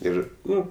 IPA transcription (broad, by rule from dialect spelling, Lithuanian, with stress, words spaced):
ˈɪr ˈnʊ